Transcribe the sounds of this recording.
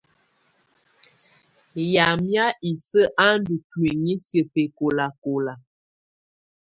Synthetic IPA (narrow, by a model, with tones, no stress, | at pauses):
ja˨mja˦i˨sə˦ʔa˦n˦du˨twi˨ŋi˦sjə˨pe˨ko˨la˨ko˨la˨